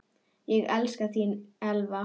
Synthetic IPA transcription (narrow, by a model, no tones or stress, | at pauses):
jɛɣɛlskaθinɛlva